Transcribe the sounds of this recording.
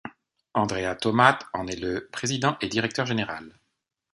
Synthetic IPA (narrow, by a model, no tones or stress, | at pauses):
ɑ̃d̪ʁeat̪ɔmat̪ɑ̃nɛləpχezid̪ɑ̃ʔed̪iʁɛk̚t̪œʁʒeneʁal